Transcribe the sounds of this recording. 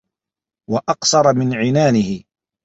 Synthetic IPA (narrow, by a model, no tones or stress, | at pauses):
wɑʔɑqsɑɾˤɑmɪnʕɪnaːnɪhɪ